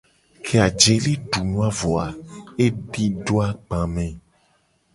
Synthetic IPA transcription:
kʰe˨a˨d͡ʒe˨le˦ɖu˨nũ˦a˦vo˨a˨e˦ɖi˦ɖo˦a˦ɡ͡bã˨mɛ̃˨

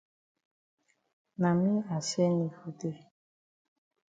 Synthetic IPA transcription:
na˨mĩ˦a˨sɛ˦nĩ˨fu˦te˦

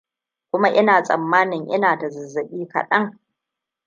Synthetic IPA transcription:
kʷʊ˦ma˦ʔɪ˦naː˨sʼɐ̰˨mːaː˦nɪ˨ŋʔɪ̰˦naː˨tɐ˨zɪ˨zːɐ˨ɓʲiː˦kɐ̰˨ɗɐ˦ŋ

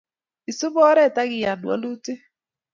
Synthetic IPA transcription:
i˨so˦βɔ˦ɾɛ˦˨ta˦ɣɪ˨ja˨nwa̰˦lo˦te˦

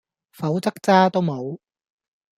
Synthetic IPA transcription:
fɐ˨˥wt͡sɐ˥k̚t͡saː˥t̪o˥wmo˨˧w

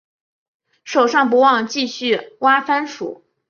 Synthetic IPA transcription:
ʂo˨˩ʊʂɑ˥˩ŋp̬u˧˥wɑ˥˩ŋt͡ɕi˥˧ɕy˥˩wa˥fa˥nʂṵ˨˩˦

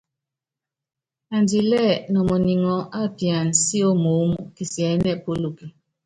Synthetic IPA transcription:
a˨ndi˨lɛ˦˨nɔ˨mɔ˨ni˨ŋɔ˨ʔa˦˨pi˨a˨n˨si˦o˦mo˨˦mu˨ki˨si˨ɛ˨˦nɛ˦˨po˦lo˨ki˨

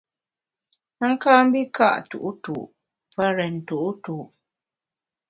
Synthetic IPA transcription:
ə˦ŋ̩˦kaː˦m̩˦bi˦ka̰˦˨ʔtṵ˨ʔu˦tṵ˨ʔ | pə˦ɾɛ˨n̩˨tu˨ʔu˦tu˨ʔ

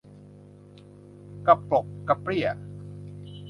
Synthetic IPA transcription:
ka˧˩pɾo˨˩kːa˧pɾi˥˩ə

